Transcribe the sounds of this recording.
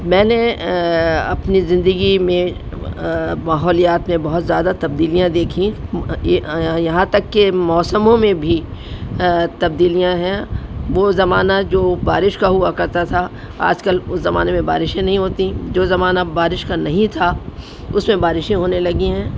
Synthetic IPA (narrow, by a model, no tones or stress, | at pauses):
mɛ̃ːne | ɐpnizɪ̃nd̪əɡimẽ | maːɦɔːlijaːt̪mẽbɐɦʊt̪zjaːd̪at̪ɐb̚d̪iːlijãd̪eːkʰĩ | jɐɦãt̪ɐkːemɔːsəmõmẽbʱi | t̪ɐb̚d̪iːlijãɦɛ̃ʋoːzɐmaːnad͡ʒoːbaːɾɪʃkaɦʊakɐɾt̪at̪ʰa | a̰ːd͡ʒkəlʊszɐma̰ːnemẽba̰ːɾɪʃẽnɐɦĩɦoːt̪ĩd͡ʒoːzɐmaːnabaːɾɪʃkanɐɦĩt̪ʰa | ʊsmẽbaːɾɪʃẽɦoːnelɐɡĩɦɛ̃ː